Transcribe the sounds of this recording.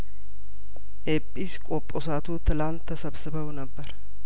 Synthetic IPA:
ʔepʼːiskʼopʼːosat̪ʰut̪ʰɨlant̪ʰːəsəβsɨβəwnəbːəɾ

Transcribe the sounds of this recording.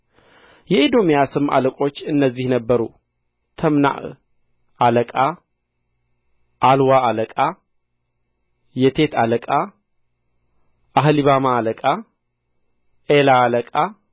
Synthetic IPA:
jɛed̪o̞mijasɨma̰ləkʼo̞t͡ʃːɨnːəzːihnəbːəɾu | t̪ʰəmna̰ʔ | aləkʼa | ʔalwaaləkʼa | jɛt̪ʰe̞t̪ʰaləkʼa | ʔaɦliβamaːləkʼa | ʔelaːləkʼa

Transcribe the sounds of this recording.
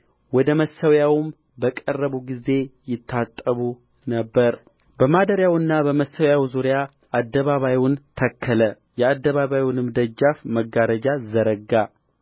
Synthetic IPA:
wɔd̪əməsːəwjawʊm | bəkʼərːəβuɡize̞jɪt̪ʰːat̪ʼːəβu | nəbːəɾ | bəmad̪əɾjawɨnːabəməsəwjawzuɾja | ʔad̪ːəβaβajwʊnt̪ʰəkʰːələ | jɛad̪ːəβaβajjwnɨmd̪əd͡ʒːafməɡaɾəd͡ʒazəɾəɡa

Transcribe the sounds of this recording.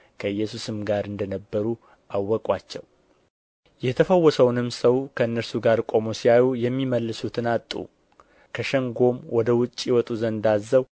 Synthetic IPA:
kʰəɨjːɛsusɨmɡaɾɨnd̪ənəbːəɾu | ʔawːɔkʼwat͡ʃːɛw | jɛt̪ʰəfəwːɔsəwnɨmsəwkʰəɨnːəɾsuɡaɾkʼo̞mosiajujɛmːiməlːɨsut̪ʰɨnat̪ʼːṵ | kʰəʃəŋɡo̞mwɔd̪əwʊt͡ʃʼːiwɔt̪ʼuzənd̪azːəw

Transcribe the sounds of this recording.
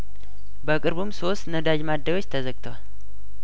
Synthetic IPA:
bəkʼɨɾβumso̞st̪nəd̪ad͡ʒmad̪ːəjo̞t͡ʃːt̪ʰəzəɡt̪ʰəwal

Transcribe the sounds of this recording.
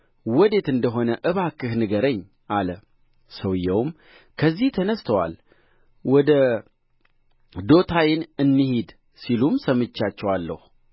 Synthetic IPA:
wɔd̪e̞t̪ɨnd̪əɦo̞nəʔɨβakːɨhnɨɡəɾəɲː | ʔalə | səwjːɛwm | kʰəzːiht̪ʰənəst̪ʰəwa̰l | wɔd̪ə | d̪o̞t̪ʰajɪnɨnːɨhid̪ | silumsəmɨt͡ʃːat͡ʃːɛwalːə̰hu

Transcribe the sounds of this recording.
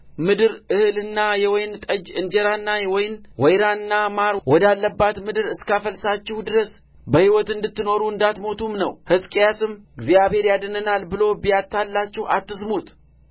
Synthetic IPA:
mɨd̪ɨɾɨhɨlɨnːajɛwɔjnt̪ʼəd͡ʒɨnd͡ʒɛɾanːajɛwɔjɪnwɔjɾanːamaɾwɔd̪alːəbːat̪mɨd̪ɨɾɨskafəlsat͡ʃːɪhd̪ɨɾəs | bəhiwɔt̪ɨnd̪ɨt̪ːɨno̞ɾuɨnd̪at̪mo̞t̪ʰumnəwhɨskʼjasɨmɡzjaβhe̞ɾjad̪ənənalbɨlo̞bijat̪ʰːalːat͡ʃːɪhat̪ːɨs̬mut̪

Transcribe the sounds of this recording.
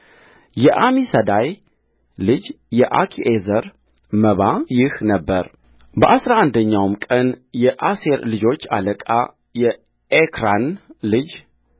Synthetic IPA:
jɛʔamisəd̪aj | lɨd͡ʒ | jɛʔakʰiʔezəɾ | məβajɪhnəbːəɾ | bəʔasɾaand̪əɲːawmkʼənjɛʔase̞ɾlɨd͡ʒo̞t͡ʃːa̰ləkʼa | jɛ | ekʰɾanlɨd͡ʒ

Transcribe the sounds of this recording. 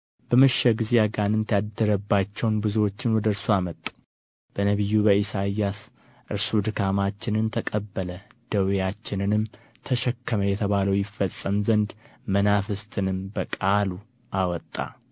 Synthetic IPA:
b̥əmɨʃːɛɡɨzeaɡanɨnt̪ʰjad̪ːəɾəbːat͡ʃːɛwnbɨzuwo̞t͡ʃːɪnwɔd̪əɨɾsuamət̪ʼːu̥ | b̥ənəβijːubəisajːas | ʔɨ̰ɾsud̪ɨkʰamat͡ʃːɪnɨnt̪ʰəkʼəbːələd̪̥əwjat͡ʃːɪnɨnɨm | t̪ʰəʃɛkːəməjɛt̪ʰəβaləwjɪfːəsʼːəmzənd̪mənafɨst̪ʰɨnɨmbəkʼalu | ʔawɔt̪ʼːa̰

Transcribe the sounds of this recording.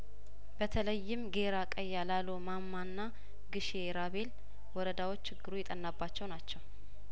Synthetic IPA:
b̥ət̪ʰələjːɪmɡe̞ɾakʼəjːalalomamːanːa | ɡɨʃeɾaβe̞l | wɔɾəd̪awot͡ʃːt͡ʃʰːɪɡːɨɾujɛt̪ʼənːabːat͡ʃːɛwnat͡ʃːɛw

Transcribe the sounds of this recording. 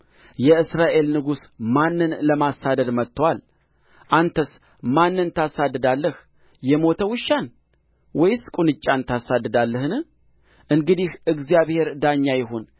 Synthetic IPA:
jɛɨsɾaʔe̞lnɨɡusmanːɨnləmasad̪əd̪mət̪ʰːəwal | ʔant̪ʰəs | manːɨnt̪ʰasad̪ːɨd̪alːəh | jɛmo̞t̪ʰəwɨʃːan | wɔjskʼunɨt͡ʃʼːant̪ʰasad̪ːɨd̪alːəhɨnɨ | ʔɨŋɡɨd̪ihʔɨɡzijaβhe̞ɾd̪aɲːajɪhon

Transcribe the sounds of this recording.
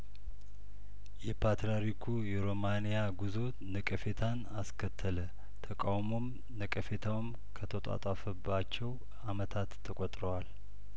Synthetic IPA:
jɛpʰat̪ɾaɾikʰujɛɾomanijaɡuzo̞ | nəkʼəfe̞t̪ʰanaskʰət̪ʰːələ | t̪ʰəkʼawmo̞m | nəkʼəfe̞t̪ʰawɨm | kʰət̪ʰət̪ʼa̰t̪ʼafəbːat͡ʃːɛw | amət̪ʰat̪ʰːəkʷʼot̪ʼɾowal

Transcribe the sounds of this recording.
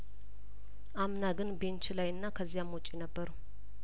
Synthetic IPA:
ʔamnaɡɨnbe̞nt͡ʃlajɨnːakʰəzːijamwɔt͡ʃʼːinəbːəɾu

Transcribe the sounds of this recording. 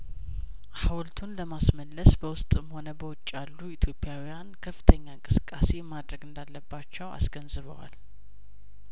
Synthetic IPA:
hawlt̪ʰunləmasməlːəsbəwʊst̪ʼɨmho̞nəbəwɔt͡ʃʼːalːuit̪ʰjo̞pʼːjawijankʰəfːɨ̥t̪ʰəɲːaɨŋkʼɨsɨ̥kʼːase̞mad̪ɾəɡɨnd̪alːəbːat͡ʃːɛwa̰sɡənzɨβə̰wa̰l

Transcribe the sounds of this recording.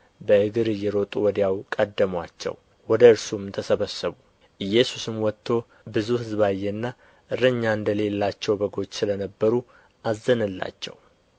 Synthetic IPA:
bəɨɡɨɾɨjːɛɾo̞t̪ʼuwɔd̪jawkʼəd̪ːəmwa̰t͡ʃːɛ̰w | wɔd̪əɨɾsumt̪ʰəsəβəsːəβu | ʔɨjːɛsusɨmwɔt̪ʰːo̞ | bɨzuhɨzβajːɛnːa | ʔɨɾəɲːaɨnd̪əle̞lːat͡ʃːɛwbəɡo̞t͡ʃːsɨlənəbːəɾu | ʔazːənɨlːa̰t͡ʃːɛ̰w

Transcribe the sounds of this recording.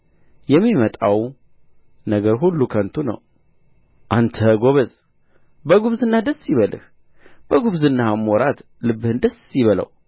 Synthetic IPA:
jɛmːimət̪ʼaw | nəɡəɾɦulːukʰənt̪ʰunə̰w | ʔant̪ʰəɡo̞βəz | bəɡuβzɨnːad̪əsjɪβəlɨ̰h | b̥əɡuβzɨnːamoɾat̪ | lɨbːɨhɨnd̪əsjɪβələ̰w

